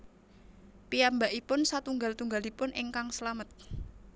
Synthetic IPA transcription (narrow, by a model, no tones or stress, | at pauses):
pijambaʔipʊnsat̪uŋɡalt̪uŋɡalipʊnʔɪŋkaŋsəlamət̪̚